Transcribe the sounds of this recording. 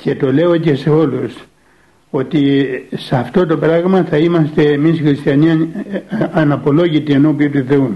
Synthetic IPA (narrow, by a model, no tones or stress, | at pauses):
cʰe̞t̪o̞le̞o̞ce̞se̞o̞lus | o̞t̪isɐft̪o̞t̪o̞pɾɐɣmɐθɐimɐst̪e̞ːmisxɾist̪çɐni | ɐnɐpo̞lo̞ʝit̪ie̞no̞piut̪uθe̞u